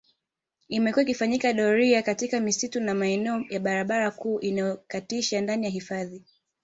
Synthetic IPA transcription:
imɛkuwaikifaɲikaɗɔɾiakatikamisitunamaɛnɛɔjaɓaɾaɓaɾakuːʔinajɔkatiʃandanijaɦifaði

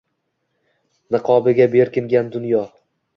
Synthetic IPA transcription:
nɨqʰɒbɪɡʲabe̞ɾkʲʰɪŋɡʲand̪ʊnjɒ

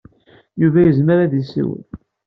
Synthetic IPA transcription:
juvæjəzməɾæðisḭwə̰n

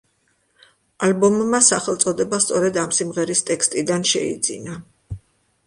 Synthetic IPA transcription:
albɔmːasaχɛlˠt̪sʼɔd̪ɛbast̪sʼɔɾɛd̪amsimʁɛɾist̪ʼɛkst̪ʼid̪anʃɛ̰ḭd̪zḭna

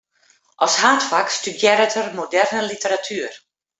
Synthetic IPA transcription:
ʔɔshaːtfakstydjɛɾətʰərmodɛrnəlitəɾatʰyːər

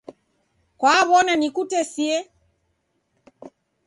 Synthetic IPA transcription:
kwaβɔnanikutɛsiɛ

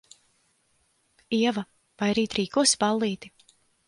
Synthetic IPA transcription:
iɛva | vajɾiːt̪ɾiːkuɔsbalˠːiːt̪i̥

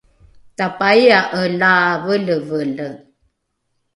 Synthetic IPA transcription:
tapaiaʔəlavələvələ

